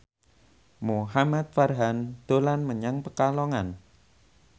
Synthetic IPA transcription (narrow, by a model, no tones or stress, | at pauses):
muɦamat̪̚farɦand̪̥olanməɲaŋpəkalɔŋan